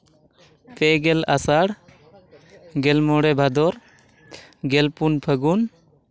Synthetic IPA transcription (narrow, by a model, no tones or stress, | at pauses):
p̪ɛɡɛlasaɽ | ɡɛlmɔɽɛbʱad̪ɔɾ | ɡɛlpunpʰəɡun